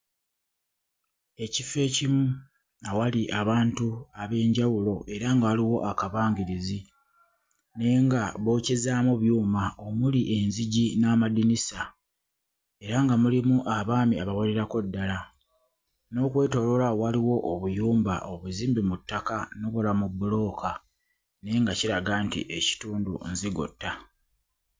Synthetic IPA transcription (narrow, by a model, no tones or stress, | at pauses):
e̞cife̞ːcimu | nawaliʔaβaːntuaβe̞ːɲɟawulo̞ʔe̞ɾaŋɡaːliwo̞ʔakaβaːŋɡiɾizi | ne̞ːŋɡaβo̞cezaːmuβjuːmaomuliʔe̞nziɟinamadinisa | e̞ɾaŋɡamulimuʔaβaːmiaβawole̞ɾako̞dːala | no̞ːkwe̞ːto̞lo̞lawaliwo̞ʔːβujuːmba̰ʔoβuziːmbimutːakanoβulamubːulo̞ːkʰa | ne̞ːŋɡaciɾaɡaːntḭʔe̞ci̥tuːndṵnziɡṵtːa